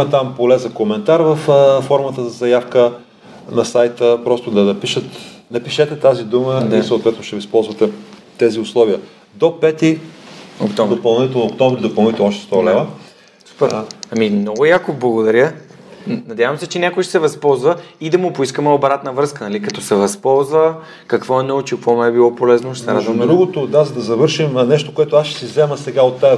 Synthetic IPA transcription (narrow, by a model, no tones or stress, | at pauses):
ɐt̪ampolɛzɐkomɛnt̪aɾvəfəfɔɾmət̪əzɐzɐjafkə | nɐsajt̪əpɾɔst̪ʊd̪ɐnɐpiʃət̪nɐpiʃɛt̪ɛt̪azid̪umənɛsəot̪vɛt̪nʊʃt̪ɛvispɔlˠzvɐt̪ɛ | t̪ɛziʊslˠɔviə | d̪opɛt̪i | o̰kt̪ɔvd̪opɐlˠnit̪ɛlˠnok̚t̪ɔmvɾid̪opɐlˠnit̪ɛlˠɔʃt̪ɛst̪ɔlɛvə | su̥pɛɾɐmimnɔɡʊjakʊvblˠɐɡod̪ɐɾʲjə | nɐd̪ʲjavɐmsɛt͡ʃɛnʲakoɛʃɛ̥sɛvɐspɔlˠzvəid̪ɐmʊpʊiskəmɛobɾat̪nəvɾɤskənɐlikɐt̪ɔsɛvɐspɔlˠzvə | kɐkvɔɛnɔut͡ʃikvɔmɛɛbilˠɔpolɛznoʃt̪ɛɾazvɐd̪ɾuɡot̪od̪azɐd̪ɐzɐvɤɾʃimnɛʃt̪okoɛt̪ʊasʃɛ̥sizɛməsɛɡaot̪ːa